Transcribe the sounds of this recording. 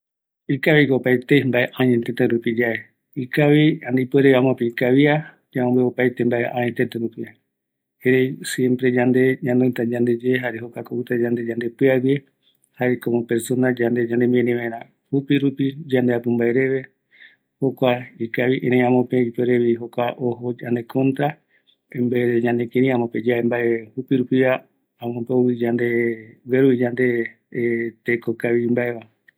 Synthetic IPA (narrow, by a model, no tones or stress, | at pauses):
ikaβikopajt̪embaʔeʔãɲet̪et̪ẽɾupid͡ʒae | ikaβiand̪eipweɾeβiãmõpeikaβia | d͡ʒaõmbeopajt̪embaʔeʔã̰ɲet̪et̪eɾupi | eɾejsjempɾe̞d͡ʒand̪e̞ɲãnd̪ot̪ad͡ʒand̪ed͡ʒeːɦaɾeɦokakout̪ad͡ʒand̪e̞d͡ʒand̪e̞pɨaβie | haekomõpeɾsonad͡ʒand̪e̞d͡ʒand̪emĩẽnẽʋẽɾ̃ã | hupiɾupid͡ʒand̪eapumbaeɾe̞βe̞ | hokʷaikaβiʔeɾẽj̃ãmõpeipeɾeβiɦokʷaʔoɦod͡ʒand̪ekʰõnt̪ɾa | embeeɲãnd̪ekẽɾĩãmõped͡ʒeaembaehupiɾupia | amõpeowid͡ʒand̪eweɾuid͡ʒand̪e̞ | t̪ekokaβimbaeβa